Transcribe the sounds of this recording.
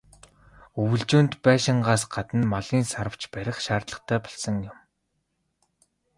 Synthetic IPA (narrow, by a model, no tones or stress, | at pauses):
ɵwɘ̆ɮt͡ɕuːnt̪pæːʃɪ̆ɴɢaːsɢat̪ə̆nmaɮiːnsaɾə̆w̥t͡ɕpæɾʲɪ̆χʃaːrt̪ɮə̆χt̪ʰæːpɔ̥ɮsə̆ŋjʊm